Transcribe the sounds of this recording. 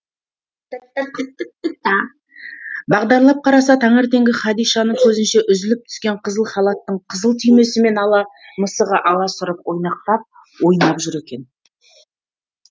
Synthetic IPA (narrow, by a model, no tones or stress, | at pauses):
ɪt̪ɪt̪ɪt̪ɑ | bɑʁd̪ɑɾlˠɑp̚qʰɑɾɑsɑt̪ʰɑɴeɾt̪e̞ŋɡʲɪχɑd̪ijʃɑnəŋkʲʰɵzɪnʃe̞ʔʏzɪlɪp̚t̪ʰʏ̥skʲe̞ɴqʰəzəlˠχɑlˠɑt̪ːəɴqʰəzəlˠt̪ʰʏjme̞sɪme̞nɑlˠɑ | məsəʁəʔɑlˠɑsʊɾəpwo̞jnɑq̚t̪ɑp̚ | wo̞jnɑpʒʏɾe̞kʲe̞n